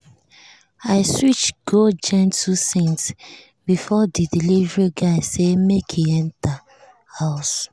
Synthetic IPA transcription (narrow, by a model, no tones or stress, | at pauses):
aɪswit͡ʃɡ̥od͡ʒɛ̃ntʰusĩns | bifɔdidilivɹiɡaɪsemekʰiɛ̃nta | haʊs